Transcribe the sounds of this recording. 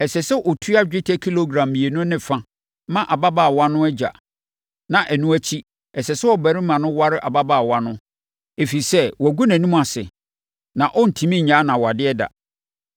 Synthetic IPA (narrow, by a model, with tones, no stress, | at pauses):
ɛ˨sɛ˨sɛ˦ʔɔ˨tʰu˦a˦d͡ʑᶣɪ˦tʰɛ˦kʰi˦lo˦ɡɾã˨mːi˨e˨nʊ̃˦nɪ̃˦fã˦ | mã˦˨ʔa˨ba˦baː˨wa˦nʊ̃˦æ˦d͡ʑa̰˨ | nã˨ʔɛ˨nʊ̃˦æ˦t͡ɕʰi˦ | ɛ˨sɛ˨sɛ˦ɔ˨bæ˨ɾi˦mã˨nʊ̃˦wa˦ɾɪ˦ʔa˨ba˦baː˨wa˦nʊ̃˦ | e˨fi˨i˨sɛ˦wæ˨ɡu˦næ̃˨nĩ˦m̃˦a˨sɪ̰˨ | nã˨ʔɔ˦n̩˨tʰĩ˨mĩ˦ɲãː˨˦nã˨wa˨dɪ˦ɛ˦da̰˨